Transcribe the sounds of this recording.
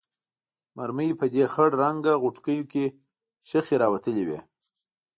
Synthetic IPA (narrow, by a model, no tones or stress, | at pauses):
maɾməjipəd̪exəɽɾaŋɡaɣʊʈkəjoke | ʃəxeɾɑwat̪əlewḛ